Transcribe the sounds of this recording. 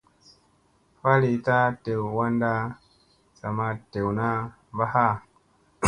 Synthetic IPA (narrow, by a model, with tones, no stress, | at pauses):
fa˦li˨˦ta˦te˨wwa˦nda˦ | sa˨ma˦te˨wna˦ | ba˦ha˦˨